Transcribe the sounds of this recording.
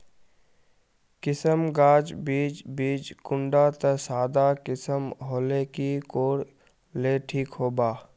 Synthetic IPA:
kɪsəmɡaːd͡ʒbiːd͡ʒbiːd͡ʒkʊ̃ɳɖat̪əsaːd̪akɪsəmɦoːlekikoːɽ | leːʈʰiːkɦoːbaː

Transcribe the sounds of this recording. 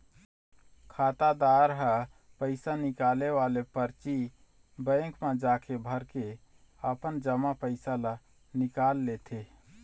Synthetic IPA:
kʰaːt̪ad̪aːɾɦə | pəɪsanɪkaːleʋaːlepəɾt͡ʃi | bə̃ːkʰmãd͡ʒaːkʰebʱəɾke | əpənd͡ʒəmapəɪsala | nɪkaːlːet̪ʰe

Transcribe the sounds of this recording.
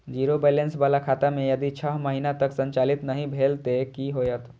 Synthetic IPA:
d͡ʒiɾobelensbalakʰat̪amejəd̪it͡ʃʰəɦməɦinat̪əksənt͡ʃalit̪nəɦĩbʱelt̪ekiɦojət̪

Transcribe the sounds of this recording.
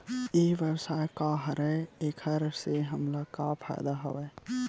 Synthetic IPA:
eʋjəwsaːjkaɦəɾɛeːkʰəɾseɦəmlakapʰa̰jd̪aɦo̰ʋɛː

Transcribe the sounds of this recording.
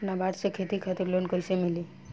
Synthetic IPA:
nabʱaɖsekʰet̪ikʰat̪uɾlonkojsemili

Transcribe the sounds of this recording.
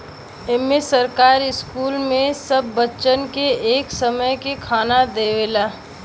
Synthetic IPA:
eːmesəɾkaːɾɪskuːlmẽsɐbːətːʃənkeeːksəməjkekʰaːnad̪eːʋeːlaː

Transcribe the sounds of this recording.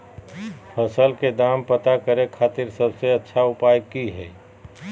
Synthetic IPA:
pʰəsəlked̪aːmpət̪akəɾekʰaːt̪ɪɾsəbseɐtːʃʰaʊpaːjəiɦɛ̰ː

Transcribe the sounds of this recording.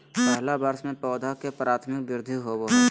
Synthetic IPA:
pɛɦɦlabəɾsmẽpɔːd̪ʱakepɾaːt̪ʰmɪk̚bɪɾd̪ʱuɦobo

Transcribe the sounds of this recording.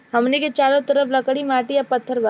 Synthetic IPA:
ɦɐmneket͡ʃaːɾõt̪əɾəfləkɽimaːʈijapət̪ʰːəɾba

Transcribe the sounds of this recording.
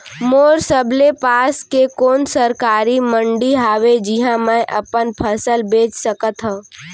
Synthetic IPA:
moːɾsəblepaːskekoːnsəɾkaːɾimə̃ɳɖiɦaːʋed͡ʒiɦãmə̃ʔə̰pənpʰəsəlbeːt͡ʃsəkət̪ɦə̃

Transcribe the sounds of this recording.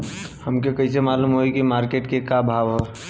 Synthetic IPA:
hɐmkekɐis̬emaːluːmɦoikimaːɾkeːʈkekabʱaːʋɦoː

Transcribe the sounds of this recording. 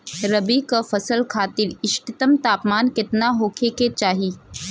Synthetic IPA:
ɾɐbikafɐsəlkʰaːt̪ɪɾɪʃʈɪt̪əmt̪aːpmaːnkɪt̪naɦoːkʰeket͡ʃaːɦiː

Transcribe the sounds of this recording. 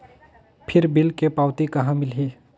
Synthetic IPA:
pʰɪɾbɪlkepaːwt̪ikɐɦãmɪlɦi

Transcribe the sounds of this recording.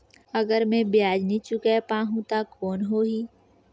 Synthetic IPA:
əɡəɾmẽbjaːd͡ʒnĩt͡ʃʊkepaːɦũt̪akoːnɦoːɦiː

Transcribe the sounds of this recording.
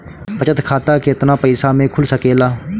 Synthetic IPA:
pət͡ʃət̪kʰaːt̪akeɪt̪napəɪsamẽkʰʊlsəkeːlaː

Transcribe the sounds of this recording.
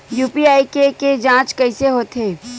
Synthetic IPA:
juːpiaːikeked͡ʒãːt͡ʃkɐɪseɦoːt̪ʰeː

